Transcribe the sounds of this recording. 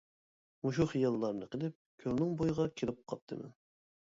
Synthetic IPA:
muʃ̬uχijɑlˠːɑɾnɨqʰəlˠɪp̚kʲʰølnɪŋbojʁɑkʲʰelɪp̚qʰɑp̚t̪ʰːɨmɛ̰

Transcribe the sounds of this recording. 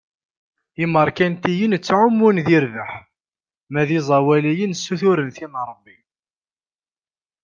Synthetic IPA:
iməɾˤkænt̪ijənt͡sːʕʊmːunðiɾðəħ | mæðizˤɑwælæjənsːuθʊɾənθinəɾˤəbːi

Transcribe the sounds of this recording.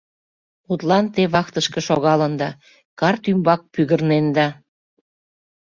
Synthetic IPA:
ut̪lɑnt̪eβɑkt̪əʃkeʃoɣɑlənd̪ɑ | kɑrt̪ymbɑk̚pyɣərnend̪ɑ

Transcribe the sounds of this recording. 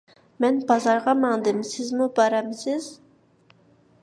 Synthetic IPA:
mɛnbɑzɑɾʁɑmɑŋd̪ɨmsɪzmubɑɾɑmsɪz̥

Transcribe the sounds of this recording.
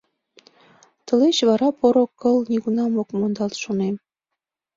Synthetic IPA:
t̪ə̆leɕβɑɾɑpoɾokːəlniɣunɑmokmond̪ɑlt̪ʃonem

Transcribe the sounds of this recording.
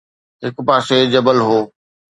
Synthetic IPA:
ɦɪkpaːsed͡ʑɐbəlɦoː

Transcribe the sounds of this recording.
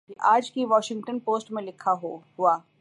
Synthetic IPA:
iʔaːd͡ʒkiʋɔːʃɪ̃ŋɡʈənpoːsʈmẽlɪkʰːaɦoɦʊaː

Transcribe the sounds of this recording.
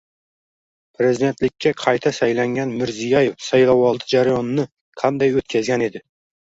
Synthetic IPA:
pʰɾezid̪e̞nt̪lɪkʲːaqʰɑjt̪ʰasajlaŋɡʲanmɪɾzijɑjefsajlˠawɒlˠd̪ɨd͡ʒaɾajɒnnɪ | qʰɑnd̪ajɵt̪̚kʲʰazɡʲɛned̪ɪ

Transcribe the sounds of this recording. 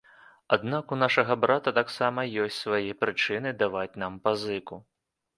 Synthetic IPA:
ad̪nakunaʂɐɣɐbɾat̪ɐt̪aksamɐjɔsʲtʲsvajɛpɾɨt͡ʂɨnɨd̪avat͡sʲnampazɨku

